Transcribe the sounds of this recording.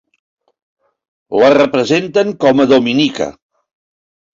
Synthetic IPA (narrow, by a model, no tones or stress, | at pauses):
lərəpɾəzent̪əŋkɔməðominikə̰